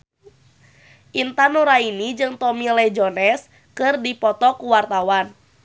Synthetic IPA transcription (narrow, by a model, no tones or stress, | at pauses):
ʔint̪anuɾainid͡ʒɨŋt̪ɔmilɛd͡ʒɔnɛs | kɨrdipɔt̪ɔkuwart̪awan